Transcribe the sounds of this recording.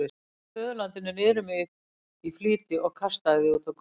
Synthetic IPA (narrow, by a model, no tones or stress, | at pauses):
ɪ | fœːðlant̪ɪnɪnɛɾʏmɪð | ifliːt̪ɪʔɔɣkʰast̪aɣðɪut̪ak